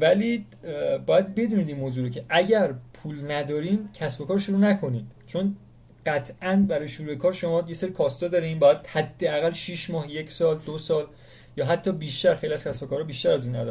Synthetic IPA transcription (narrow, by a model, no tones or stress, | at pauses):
væli | bɒːjæd̪̚be̞d̪uːniːd̪iːnmoːzuːɾocʰeʔæɟæɾpʰuːlnæd̪ɒːɾiːmcʰæsbo̞kɒːɾʃuɾuːnækʰo̞niːd̪̥t͡ʃʰo̞n | ɢæt̪ʰʔænbæɾɒːjeʃuɾuekʰɒːɾʃo̞mɒːjeseɾikʰɒːst̪ɒːd̪ɒːɾeinbɒjæd̪̥hæd̪ːeæɣælːʃiːʃmɒːhje̞cʰsɒːld̪osɒːl | jɒːɦæt̪ʰːɒːbiːʃt̪æɾxejliæz̥kcʰæsbo̞kʰɒːɾɒbiʃt̪æɾæzinæ̰d̪ɒɾ